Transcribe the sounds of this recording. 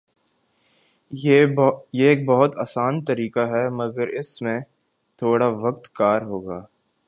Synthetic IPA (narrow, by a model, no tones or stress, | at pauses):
jeeːk̚bɐɦʊt̪aːsaːnt̪ɐɾiːkaɦɛmɐɡəɾɪsmẽ | t̪ʰoːɽaʋɐk̚t̪kaːɾɦoːɡaː